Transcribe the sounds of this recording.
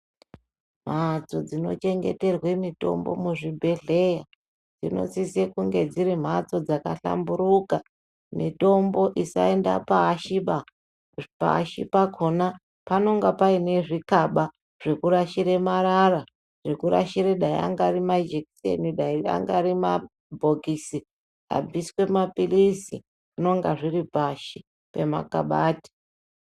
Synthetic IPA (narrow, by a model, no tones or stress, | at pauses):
m̤at͡so̞d͡zino̞̰t͡ʃe̞ŋɡḛte̞rwemito̞̰mbo̞̰muʐibʱe̞ɮe̞ja | d͡zino̞̰sisekuŋɡe̞d͡ziɾim̤at͡so̞d͡zakaɬa̰mbuɾuka | mito̞mbo̞ʔisa̰endapaːʃiɓa | pa̰ːʃipakʰona | pano̞ŋɡapaine̞ʐikaɓa | ʐ̥ekuɾaʃiɾe̞maɾara | ʐ̥ekuɾa̰ʃiɾeɗaḭa̰ŋɡarimad͡ʒeksḛniɗaia̰ŋɡaɾima | bʱo̞kisi | a̰b͡viswe̞mapilisḭ | uno̞ŋɡaʐiripaʃi | pe̞ma̰ka̰ɓaːti̥